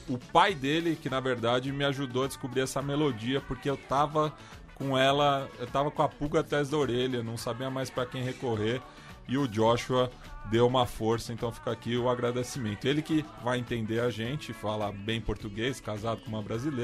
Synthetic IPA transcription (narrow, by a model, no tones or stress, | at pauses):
ʊpajd̪elɪkɪnɐveɾd̪ad͡ʒɪmɪaʒud̪oɐd͡ʒɪskubɾiɾɛsɐmelod͡ʒiɐpoɾkeewt̪avɐ | kõɛlɐewt̪avɐkõɐpuɡɐat̪ɾajzd̪ɐoɾeʎɐnɐ̃w̃sabiɐmajspɾɐkẽj̃hekoɦeɾ | ɪʊd͡ʒɔʃuɐ | d̪ewũmɐfoɾsɐẽnt̪ɐ̃w̃fi̥kakiʊaɡɾad̪esimẽnt̪ʊelɪkɪvajẽnt̪ẽnd̪eɾɐʒẽnt͡ʃɪfalɐbẽj̃poɾt̪uɡejskazad̪ʊkõmũmɐbɾazile